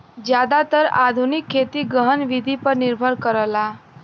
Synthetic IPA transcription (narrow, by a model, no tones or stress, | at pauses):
d͡ʑjad̪at̪əɾa̰d̪ʱunikʰːet̪iːɡəɦənʋid̪ʱipəɾniɾbʱəɾkəɾəla